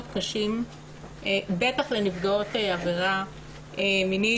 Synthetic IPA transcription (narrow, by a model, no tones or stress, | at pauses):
dkaʃim | ʔebetaχle̞nifɡao̞teaveʁa | emini